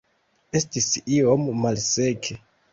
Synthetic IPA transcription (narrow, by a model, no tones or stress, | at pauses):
e̞stisio̞mːalse̞kʰe